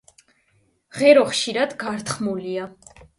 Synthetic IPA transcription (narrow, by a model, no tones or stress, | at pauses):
ʁɛɾɔχʃiɾad̪ɡaɾt̪χmulia